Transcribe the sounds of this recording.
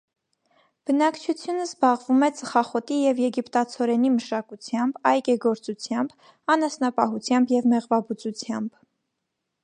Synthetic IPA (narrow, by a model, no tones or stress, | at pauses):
b̥ənɑkt͡ʃʰut͡sʰjunəzbɑʁvumɛt͡səχɑχɔt̪ijɛvjɛɡipt̪ɑt͡sʰɔɾɛn̪iməʃɑkut͡sʰjɑmbɑjɡɛɡɔɾt͡sut͡sʰjɑmb | ɑnɑsnɑpɑɦut͡sʰjɑmbjɛvmɛʁvɑbut͡sut͡sʰjɑmb̥